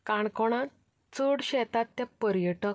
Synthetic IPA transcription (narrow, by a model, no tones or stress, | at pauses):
kaɳkɔɽ̃ãt̪ | t͡səɽɕɛt̪at̪ːjapəɾjəʈə